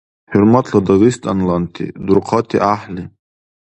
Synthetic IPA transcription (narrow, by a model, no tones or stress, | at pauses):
ħʊɾmat̪ʰlad̪aɣist̪ʼanlant̪ʰḭd̪uɾqʰɑt̪ʰiʔaħli